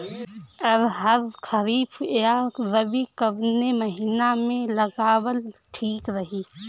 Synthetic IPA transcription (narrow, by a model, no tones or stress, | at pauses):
ɔɾɦəɾkʰəɾiːfʰjaɾəbikəbneməɦiːnamẽləɡaːwəlʈʰiːkɾəɦiː